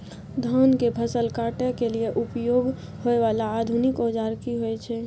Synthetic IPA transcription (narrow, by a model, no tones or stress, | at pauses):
d̪ʱɔnkebʰʱəsəlkaʈekelieʔupjoɡ | hoeʋalaːd̪ʱunikɔd͡ʒaɾkiɦoɛt͡ʃʰɛ